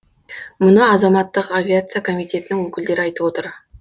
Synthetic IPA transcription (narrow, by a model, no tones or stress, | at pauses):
mʊnəɑzɑmɑt̪ːəqavʲiat̪sɨjakʰo̞mijt̪ʰe̞t̪ɪnɪŋwɵkʲɪld̪e̞ɾɪɑjt̪əbwot̪əɾ